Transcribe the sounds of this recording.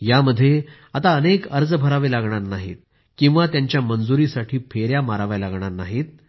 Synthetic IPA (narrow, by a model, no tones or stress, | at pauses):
jaməd̪ʱːje | at̪aənekəɾd͡zəbʱəɾaʋelaɡɳaɾnaɦḭːt̪̚ | kĩw̃ʋat̪jaɲt͡ɕjamənd͡zuɾiːsaʈʰiːpʰeɾjamaɾaʋajlaɡɳaɾnaɦiːt̪̚